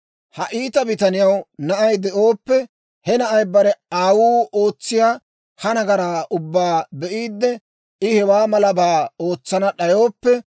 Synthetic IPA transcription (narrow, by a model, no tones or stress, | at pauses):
hɐʔiːt̪ɐbɪt̪ɐnɪjɐwnɐʔɐjd̪ɛʔoːpːɛ | hɛnɐʔɐjbɐɾɛaːwuːoːt͡sːɪjaː | hɐnɐɡɐɾaːʔʊbːaːbɛʔiːd̪ːɛ | ɪhɛwaːmɐlɐbaːo̞ːt͡sːɐnɐɗɐjo̞ːpːɛ